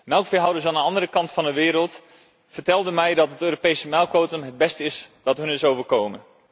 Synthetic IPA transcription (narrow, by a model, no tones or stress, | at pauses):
mɛlˠkfɪːɦɑwdəsaːnənɑndərəkɑntfɑndəʋɪːɾəlˠt | fərtɛlˠdəmɛjdɑtɦətøːropejsəmɛlˠkʋowtəmɦəd̚bɛstɪsd̥ɑtɦɵnɪsowvərkowmən